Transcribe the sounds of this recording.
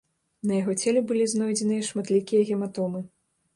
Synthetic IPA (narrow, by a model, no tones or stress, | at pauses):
nɐjaɣɔt͡sʲelʲɛbɨlʲiznɔjd͡zʲɛnɨjɐʂmat̪lʲikʲijɐɣʲɛmat̪ɔmɨ